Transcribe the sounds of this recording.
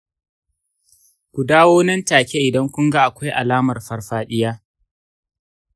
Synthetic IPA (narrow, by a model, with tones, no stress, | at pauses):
kʷu˨daː˦woː˦nɐ˦ntaː˨kʲe˦ʔɪ˨dɐ˦ŋkʷʊ˦ŋɡa˦ʔa˨kʷa˦jʔa˨laː˦mɐ˨rɸɐ˦rɸaː˦ɗɪ˦jaː˦